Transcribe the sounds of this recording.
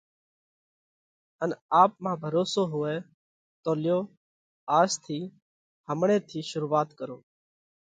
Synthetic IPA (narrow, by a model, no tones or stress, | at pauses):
ənaːpmãːbʱəɾoːsoːɦʊʋeː | t̪oːlɪjoː | aːst̪ʰiː | həmɳẽːt̪ʰiːʃʊɾuːʋaːt̪kəɾoː